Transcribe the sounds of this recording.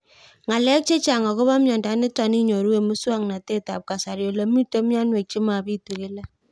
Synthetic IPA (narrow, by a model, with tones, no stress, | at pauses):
ŋa˨lɛ˦k̚t͡ʃe˦t͡ʃa˨ŋa˨ko˦βa˦mjɔ˨nda˨˦nɪ˦ta˨ni˦ɲo˨ɾu˦we˨mu˦swa˦ŋna˨te˦ta̰˨p̚ka˨sa˨ɾjo˨la˨mi˦to˦mja˦nwe˨k̚t͡ʃi˦ma˨bi˦tu˨ke˦la˦